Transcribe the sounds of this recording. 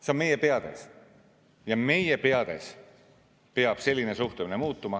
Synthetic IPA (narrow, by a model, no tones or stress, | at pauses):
seo̞nme̞je̞pe̞ɑd̪̥e̞̰s | jɑme̞jepeɑd̪̥e̞̰s | pe̞ɑb̥se̞lʲːine̞suht̪uminemuːt̪ːˑumɑ